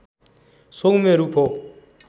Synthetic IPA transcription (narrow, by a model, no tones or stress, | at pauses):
soŋumeɾupʰɔ